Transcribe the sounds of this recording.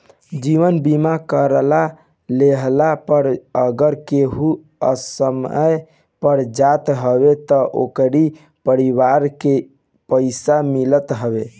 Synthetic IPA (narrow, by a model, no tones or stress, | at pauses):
d͡ʒiʋənbimakəɾla | leɦlapəɾəɡəɾkeɦu | ə̰səməj | pəɾd͡ʒat̪ɦəbet̪ɔʔo̰kɾi | pəɾiʋaɾke | pəɪsamilət̪ɦəbe